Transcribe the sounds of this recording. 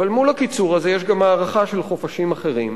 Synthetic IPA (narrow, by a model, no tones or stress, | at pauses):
valmulhakit͡suʁaze̞jeʃɡamhaːʁaχaʃe̞lχofaʃimaχe̞ʁim